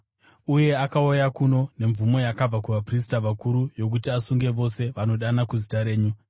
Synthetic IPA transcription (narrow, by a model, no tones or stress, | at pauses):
uje̞akaojakuno̞ne̞ɱvumo̞jakab͡vakuʋapris̬taʋakuɾujo̞k̬utiasuŋɡe̞ʋo̞se̞ʋano̞ɗanakuzitaɾe̞ːɲu